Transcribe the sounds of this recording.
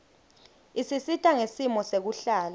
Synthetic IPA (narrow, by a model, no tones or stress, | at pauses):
isisitʰaŋesimɔsek̬uɬaːla